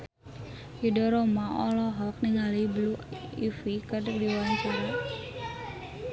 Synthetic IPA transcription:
idɔɾɔmaɔlɔɦɔk̚niŋalibluifikərdʊk̚diwant͡ʃuna

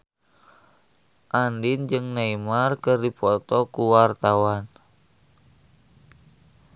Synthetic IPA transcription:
ʔandind͡ʒɨŋnaimarkərdipɔt̪ɔkuwart̪awan

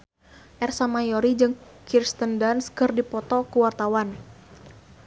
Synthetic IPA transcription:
ʔɛrsamajɔɾid͡ʒɨŋkirst̪əndanskɨrdipɔt̪ɔkuwart̪awan

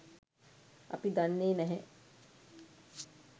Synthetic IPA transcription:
a̰pid̪anːeːnɛɦɛ

